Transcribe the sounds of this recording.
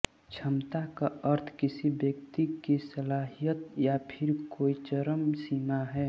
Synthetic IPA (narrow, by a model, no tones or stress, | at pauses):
t͡ʃʰəmt̪akaəɾt̪ʰkɪsibjəkt̪ikisəlaːɦijət̪japʰɪɾkoːit͡ʃəɾəmsimaɦɛː